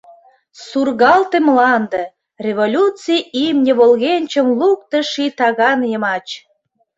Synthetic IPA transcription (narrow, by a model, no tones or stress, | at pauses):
surɣɑlt̪emlɑnd̪ə̆ | rʲevolʲut͡sijimnʲəβolɣenʲt͡ɕəmluk̚t̪ə̆ʃit̪ɑɣɑnjəmɑt͡ɕ